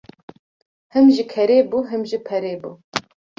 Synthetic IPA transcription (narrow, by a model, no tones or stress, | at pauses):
hɨmʒikʰɛɾeːbuːɦɨmʒipʰɛɾeːbu